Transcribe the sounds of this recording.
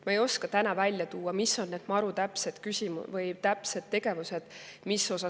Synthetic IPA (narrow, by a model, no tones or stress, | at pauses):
mɑejo̞skɑt̪ænɑvælʲjɑt̪uːɑmisːo̞nnːed̪mɑɾut̪æpse̞d̪̥kysʲimuvɤjt̪æpse̞d̪̚t̪ːe̞ɡe̞vuse̞d̪̥misːo̞sɑ